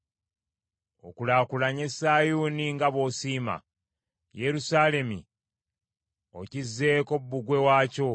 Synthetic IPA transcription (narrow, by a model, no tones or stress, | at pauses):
o̞̰kulaːkulaɲe̞saːjuːniŋɡaβo̞siːma̰ | je̞ɾusaːle̞mḭ | o̞cizːe̞ːko̞bːuɡwe̞waːco̞